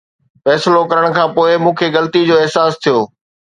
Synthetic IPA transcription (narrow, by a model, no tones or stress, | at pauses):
fɛːslokɐɾəɽ̃̆kʰãːpoːɪmũːkʰeɣɐlt̪id͡ʑoːɪɦsaːst̪ʰijoː